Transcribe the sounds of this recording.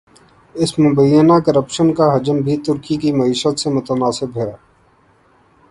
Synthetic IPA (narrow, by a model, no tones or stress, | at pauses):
ɪsmʊbəjːənakəɾəpʃənkaɦɐd͡ʒəmbʱit̪ʊɾkikimɐiːʃət̪semʊt̪ənaːsɪbɦɛː